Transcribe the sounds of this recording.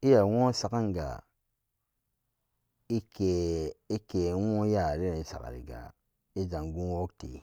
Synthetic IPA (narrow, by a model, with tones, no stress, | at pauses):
i˦ja˨wo˦sa˨ka˦ŋɡa̰˨ | i˦ke˨i˦ke˨wo˦ja˦˨ɾi˦ɾa˨i˦sa̰˨ka̰˨ɾḭ˨ɡa̰˨ | i˦d͡ʒa˨ŋɡu˦wo˦k̚tḭ˨